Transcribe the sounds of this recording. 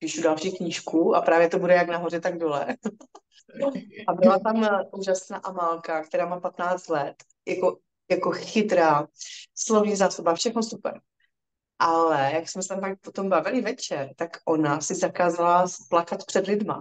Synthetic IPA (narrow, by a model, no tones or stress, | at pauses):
piːʃudalʃiːkɲiːʃkuʔa̰pɾaːvjɛt̪obudɛjaɡnaɦo̞rɛt̪aɡdolɛ | ʔabɪlat̪amʔuːʒasna̰ːʔamalkakt̪ɛɾaːmaːpat̪naːt͡st̪lɛt̪ | jako | jakoxɪt̪ɾaːslovɲizaːsobafʃɛxnosupɛ̰ɾ | ʔalɛjaksmɛsɛt̪amfak̚pot̪ombavɪlɪvɛt͡ʃɛɾt̪akʔonasɪzakaːzalasplakat̪pr̥ɛdlɪdma̰